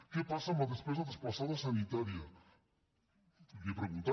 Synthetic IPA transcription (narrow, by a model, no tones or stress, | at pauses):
kepasamaðespezaðespasaðasanit̪aɾja | depɾeɣũnt̪a